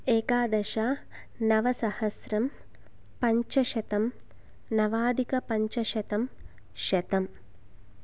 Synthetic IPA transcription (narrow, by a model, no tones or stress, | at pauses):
eːkaːd̪ɐʃaː | nɐʋɐsɐhɐsɾɐm | pɐɲt͡ʃɐʃɐt̪ɐm | nɐʋaːd̪ikɐpɐɲt͡ʃɐʃɐt̪ɐm | ʃɐt̪ɐm